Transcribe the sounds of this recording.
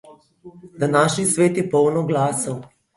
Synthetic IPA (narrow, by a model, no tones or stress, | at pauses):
d̪anaːʃnisʋeːt̪jɛpɔwnɔɡlaːsaw